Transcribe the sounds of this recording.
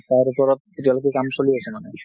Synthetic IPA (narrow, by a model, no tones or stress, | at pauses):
t̪aɾepoɾot̪̚eʈialak̬ikamʃoliet͡ɕʰemane